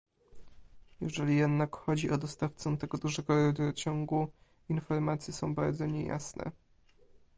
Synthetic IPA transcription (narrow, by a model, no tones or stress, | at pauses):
jɛʐɛlʲijɛd̪nakxɔd͡ʑiʔɔd̪ɔst̪aft̪sɔt̪ɛɡɔd̪uʐɛɡɔɾɛd̪ɾɔt͡ɕɔŋɡu | infɔɾmat̪sʲjɛsɔ̃w̃baɾd̪zɔɲeja̰snɛ̰